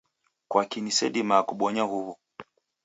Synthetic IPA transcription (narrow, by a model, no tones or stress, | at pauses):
kwakinisɛ̰ɗimaːkuɓɔɲahuβu